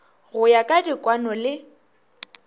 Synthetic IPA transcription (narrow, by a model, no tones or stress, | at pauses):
ɣʊjakʼadikʼwanɔlɪ